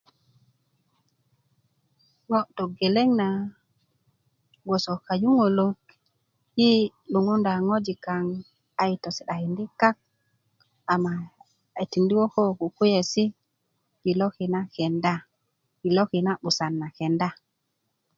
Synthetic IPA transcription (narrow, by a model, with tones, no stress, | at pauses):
ŋo˦do˨ɡe˨le˦ŋna | ɡo˨so˨ka˨ju˦ŋo˨lo˦k | ji˦ | lu˨ŋu˦nda˨ŋo˦d͡ʒi˨ka˨ŋ | a˨ji˨to˨si˨ɗa˨hi˨ndi˦ka˦k̚ | a˨mːaː˨ | ti˨ndi˦wo˦ko˦ku˨ku˦je˨si˦ | ɡi˨lo˦ki˨na˦ke˨nda˦ | ɡi˨lo˦ki˨na˦ɓu˨sa˨nːa˨ke˨nda˦